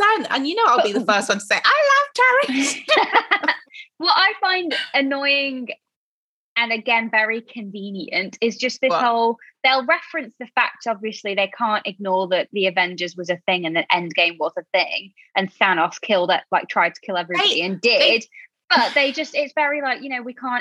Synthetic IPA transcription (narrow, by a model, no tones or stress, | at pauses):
sãnə̰̃njɨnoʊwaɪbiðəfɜˑ˞stwʌ̃ntʰəseɪʔaɪlʌv̥t͡ʃʰæɹɪ | wʌtaɪfãɪ̃ndɨnɔɪɪ̃ŋ | ɨ̃nɨɡɛ̃nvɛɹikʰɨ̃ɱvĩnjɨ̰̃ntɪzd͡ʒʌsðɪhoʊlˠðeɪlˠɹɛfɹɨ̃nsðɨfa̰k̚tɒbviɨsliðeɪkʰɑ̃ˑntɪɡ̚nɔːðəʔðiɨvɛ̃nd͡ʒə˞zwʌzɨθɪ̃ŋɨ̃nðiʔɛ̃ndɡẽɪ̃mwɒzəθɪ̃ŋ | ʔɨ̃nsãnɔskʰɪlˠdɪʔlaɪk̚tʰɹ̥aɪd̚tʰə̥kʰɪlˠɛvɹibɔɾiɨ̃ndɪd | b̥ʌʔ̚ðeɪd͡ʒʌstɪtsv̥ɛɹilaɪkjɨnoʊwikʰɑ̃ˑn